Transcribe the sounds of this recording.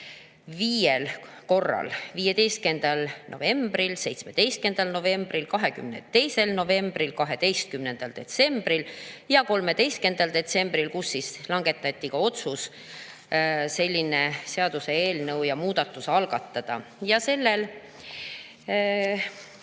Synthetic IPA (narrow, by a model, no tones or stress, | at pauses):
viːjel | ko̞rːɑ̰lviːje̞d̪e̞jst̪ke̞nd̪̥ɑlno̞̰ve̞mb̥rilse̞jt̪sme̞d̪e̞jst̪ke̞nd̪̥ɑlno̞ve̞mb̥rilkɑɦe̞kymnet̪e̞jse̞lno̞ve̞mb̥rilkɑɦe̞d̪e̞jst̪̚kymne̞nd̪̥ɑld̪̥e̞t̪se̞mb̥ɾiljɑko̞lme̞d̪e̞jst̪ke̞nd̪̥ɑld̪̥e̞t̪se̞mb̥ɾilkusːislɑŋɡe̞t̪ːˑɑt̪ʲˑːikɑo̞t̪sus | se̞lʲːine̞se̞ɑd̪̥use̞e̞ːlnɤwjɑmuːd̪ɑt̪ːˑusɑlɡ̥ɑt̪ːˑɑd̪̥ɑ̰jɑse̞lːe̞l